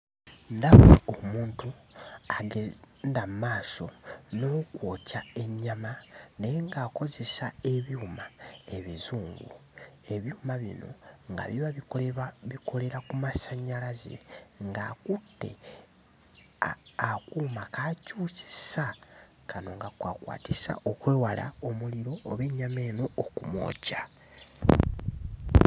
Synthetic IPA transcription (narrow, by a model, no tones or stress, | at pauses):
ndaβoomuːntuaɡe | ndammaːso̞no̞kwoːcae̞ɲːamane̞jeŋɡaːko̞ze̞sae̞βjuːmae̞βizuːŋɡue̞βjuːmaβḭno̞̰ŋɡa̰βiβa | βikʰo̞le̞ɾakumasaɲalazḛŋɡakutːe̞̰ | akuːmakaːcuːsi̥sa | kʰano̞ŋɡakwakwa̰ːtisa̰ʔokwe̞ːwala̰omuliɾo̞ːβe̞ːɲame̞ːno̞ːkumo̞̰ːca